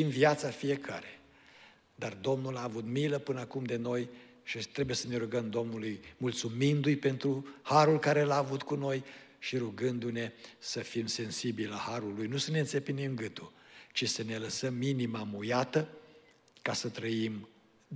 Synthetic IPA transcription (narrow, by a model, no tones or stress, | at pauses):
imvijat̪safije̞kʰa̰ɾe | d̪ard̪o̞mnulaːvut̪miləpɨnəakumd̪e̞no̞j | ʃit̪ɾe̞buje̞səne̞ɾuɡəmd̪o̞mnulujmult̪sumind̪ujpe̞nt̪ɾuhaɾulkaɾe̞laːvut̪kuno̞jʃiɾuɡɨnd̪une̞səfimse̞nsibilahaɾulujnusəneɨnsepinimɡɨt̪ut͡ʃisəne̞ləsəmːinimamujat̪ə | kasət̪ɾəim